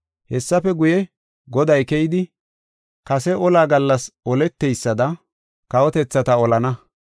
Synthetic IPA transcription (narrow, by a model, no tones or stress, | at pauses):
hɛsːɐfɛɡʊjɛ | ɡɔd̪ɐjkɛjɪd̪ɪ | kɐsɛʔɔlaːɡɐlːɐsɔlɛt̪ːɛjsːɐd̪ɐ | kɐwɔt̪ɛt͡sːɐt̪ɐɔlɐnɐ